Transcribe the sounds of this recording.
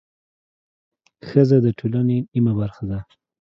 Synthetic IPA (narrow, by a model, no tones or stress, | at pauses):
xəzad̪əʈʰolanenimabaɾxad̪a